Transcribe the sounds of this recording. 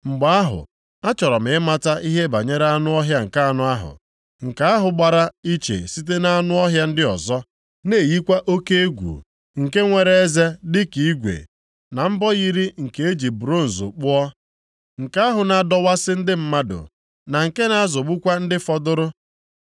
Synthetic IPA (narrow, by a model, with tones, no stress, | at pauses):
ŋ͡m̩˨ɡ͡ba˨˦a˦ɦʊ̰˨ | a˦t͡ʃɔ˨ɾɔ˨m̩ɪ˨ɪ˦ma˦ta˦i˦ɦe˦ba̰˨ɲe˦ɾa˦nʊ˦ɔ˦ɦja˦ŋ̩˨ka˦a˦nʊ˦a˦ɦʊ̰˨ | ŋ̩˨ka˨˦a˦ɦʊ˨ɡ͡ba˨ɾa˦i˦t͡ʃḛ˨si˦t̬e˦na˦a˦nʊ˦ɔ˦ɦja˦n̩˦dɪ˦ɔ̰˨zɔ˦ | ne˦˨ji˦kʷa˦ʔo˦ke˦e˦ɡʷṵ˨ | ŋ̩˨ke˦ŋʷe˨ɾe˦e˦ze˦dɪ˦ki˨i˦ɡʷḛ˨ | na˨m̩˦bɔ˦ɣi˦ɾi˦ŋ̩˨ke˨e˦d͡ʒi˨bu˨ɾo˦n̩˨zʊ̰˨k͡pʊ˦ɔ˦ | ŋ̩˨ka˨˦a˦ɦʊ˨na˨dɔ˦wa˦sɪ˦n̩˦dɪ˦m̩˦ma˦dʊ̰˨ | na˨ŋ̩˨ke˦na˦a˦zo˨ɡ͡bu˦kʷa˦n̩˦dɪ˦fɔ˦dʊ˦ɾʊ˦